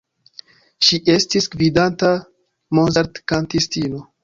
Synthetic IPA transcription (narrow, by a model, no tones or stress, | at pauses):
ʃiʔe̞stisɡvidanta | monzaɾtkantistino